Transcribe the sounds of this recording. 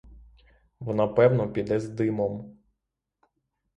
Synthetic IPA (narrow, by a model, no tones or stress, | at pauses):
ʋɔnapɛwnɔpʲid̪ɛzd̪ɪmɔm